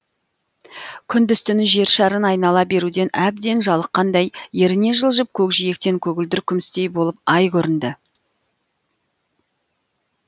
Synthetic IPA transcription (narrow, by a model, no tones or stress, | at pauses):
kʲʰʏnd̪ʏst̪ɪnɪʒe̞ɾʃɑɾənɑjnɑlˠɑbe̞ɾud̪e̞nʔæb̚d̪e̞nʒɑlˠəqːɑnd̪ɑjje̞ɾɪne̞ʒəlˠʒəp̚kʲʰɵkʒije̞k̚t̪e̞ŋkʲʰɵɡʲɪld̪ɪɾkʲʰʏmɪst̪e̞jbo̞lˠəp̚ɑjkʲʰɵɾɪnd̪ɪ